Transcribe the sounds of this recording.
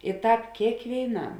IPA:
ɪ ˈtɑːp kʲeːkʋʲeːɪˈnɐm

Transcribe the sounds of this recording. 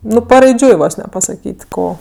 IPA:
ˈnʊ pɐrɐɪˈd͡ʒʲʊɪ ˈʋoːs nʲɛ pɐsɐˈkʲiːtʲ ˈkoː

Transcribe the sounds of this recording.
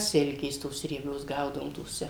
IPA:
ˈsʲɪlʲkʲeːs toːs rʲiɛˈbʲoːs ˈɡɐʊdɐʋoːm toːˈsʲɛ

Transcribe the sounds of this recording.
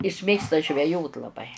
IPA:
ɪs ˈmʲeːkstɐ ʒʲʋʲɛˈjoːt lˠɐˈbɐɪ

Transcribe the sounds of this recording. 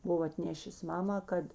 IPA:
ˈbʊʋoː ɐtʲˈnʲeːʃʲeːs ˈmɑːmɑː ˈkɐt

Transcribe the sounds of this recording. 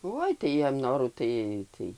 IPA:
ˈoːɪ tɐɪ ˈjiɛm ˈnoːruː ˈtɐɪ ˈtɐɪ

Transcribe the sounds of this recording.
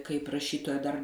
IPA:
kɐɪp rɐˈʃʲiːtoːjɛ dɐr

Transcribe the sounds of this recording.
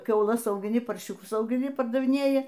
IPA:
kʲɛʊˈlˠɐs ɐʊɡʲɪˈnʲɪ pɐrʲˈʃʲuːkʊs ɐʊɡʲɪˈnʲɪ pɐrdɐʋʲɪˈnʲeːjɪ

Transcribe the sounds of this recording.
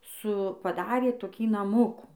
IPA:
sʊ pɐˈdɑːrʲeː toːˈkʲiː nɐˈmʊkuː

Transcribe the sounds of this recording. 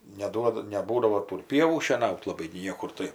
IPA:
nʲɛˈduɔdɐ nʲɛˈbuːdɐʋoː ˈtuː ɪr ˈpʲiɛʋuː ʃʲiɛˈnɐʊt lˠɐˈbɐɪ ɡʲɪ ˈnʲiɛkʊr ˈtɐɪ

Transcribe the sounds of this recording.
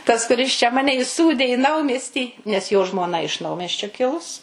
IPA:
tɐs kʊˈrʲɪs t͡ʃʲɛ ˈmɑːnʲɛ ɪˈsuːdʲeː iː ˈnɐʊmʲiɛsʲtʲiː nʲɛs joː ʒmoːˈnɐ ɪʃ ˈnɐʊmʲiɛsʲt͡ʃʲoː ˈkʲɪlˠʊs

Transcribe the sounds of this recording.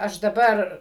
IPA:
ˈɐʃ dɐˈbɐr

